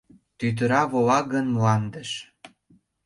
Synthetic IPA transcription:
t̪yt̪̬əɾɑβolɑɡənmlɑnd̪əʃ

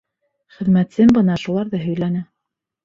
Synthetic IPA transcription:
χɘ̆ðmæt̪sɘmbɤ̆nɑʃulˠɑɾðɤɦɵ̆jlænæ

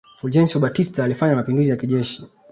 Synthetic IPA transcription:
fuld͡ʒɛnsɔɓatistaːlifaɲamapinduzijakiʄɛʃi̥

